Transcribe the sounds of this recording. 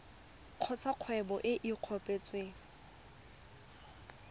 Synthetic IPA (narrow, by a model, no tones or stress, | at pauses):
q͡χʰɔt͡sʰaq͡χʰwɛbɔʔɪʔiq͡χʰɔpʼet͡sweŋ̩